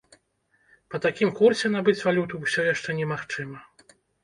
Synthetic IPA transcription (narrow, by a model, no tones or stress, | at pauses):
pɐt̪akʲimkursʲɛnabɨt͡sʲvalʲut̪uwsʲɔjaʂt͡ʂɛnʲɛmaxt͡ʂɨmɐ